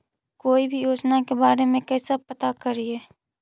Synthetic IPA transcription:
koːibʱijoːd͡ʒnakebaːɾemẽkɛːsapət̪akəɾieː

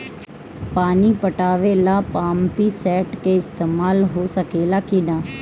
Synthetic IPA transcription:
paːniːpəʈaːʋeːlaːpaːmpiːsɛːʈkeːɪst̪eːmaːlɦoːsəkeːlaːkinaː

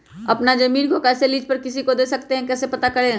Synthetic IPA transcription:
ɐpnad͡ʒɐmiːnkokɛːseliːd͡ʒpɐɾkɪsikod̪eːsɐkt̪eɦɛ̃kɛːsepɐt̪akɐɾẽ

